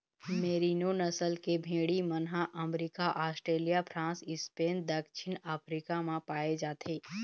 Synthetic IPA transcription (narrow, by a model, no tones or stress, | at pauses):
meːɾinonəsəlkebʱẽːɽimənɦaʔəmɾikaʔaːsʈɾeːlijapʰɾãːsɪspeːnd̪əkʃʰɪnaːpʰɾikamãpaːed͡ʒaːt̪ʰeː